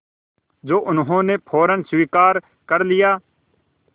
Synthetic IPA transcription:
d͡ʒoːʔʊnɦõːneːpʰoːɾənswiːkaːɾ | kəɾlɪjaː

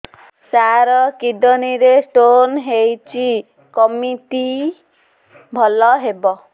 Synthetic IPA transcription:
saɾɔkid̪ɔniɾesʈonɦejt͡ʃi | kɔmiʈi | bʱɔlɔɦebɔ

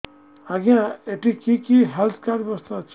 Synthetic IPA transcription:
ãɡãeʈikikiɦelt̪ʰkaɾbʌst̪ãt͡sʰ

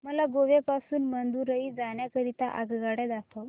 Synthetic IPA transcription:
məlaɡoʋepasuːnmənd̪uːɾəid͡zaɳjakəɾit̪aʔaɡɡaɽɛd̪akə

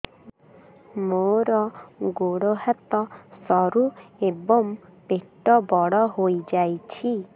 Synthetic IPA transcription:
moɾɔɡoɽoɦat̪ɔsɔɾuebɔmpeʈɔbɔɽɔɦojd͡ʒajt͡ʃʰi

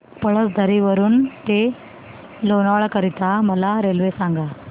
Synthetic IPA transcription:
pəɭət͡sd̪ʱəɾiʋəɾuːnt̪e | lonaʋɭakəɾit̪aməlaɾelʋesãŋɡa

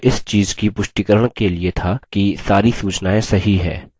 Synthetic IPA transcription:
ɪst͡ʃiːzkipʊʃʈ̪ikəɾəɽ̃keliet̪ʰakisaːɾisuːt͡ʃnaːẽsɐɦiɦɛ̰ː

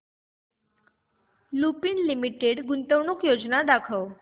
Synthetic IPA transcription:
lupinlimiʈeɽɡunt̪əwɳukjod͡znad̪akʰəʋ

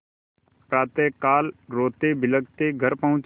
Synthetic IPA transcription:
pɾaːt̪eːkaːlɾoːt̪eːbɪləɡt̪eːɡʱəɾpəɦʊ̃t͡ʃ

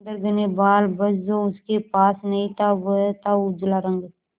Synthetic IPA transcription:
nd̪əɾɡ̪ɪnebaːlbəd͡ʒzõʊskepaːsnɐɦĩt̪ʰaʋət̪aʊd͡ʒlaɾə̃ŋɡ

